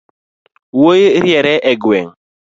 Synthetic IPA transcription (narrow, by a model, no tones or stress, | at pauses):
wojɾjɛɾɛʔɛɡwɛŋ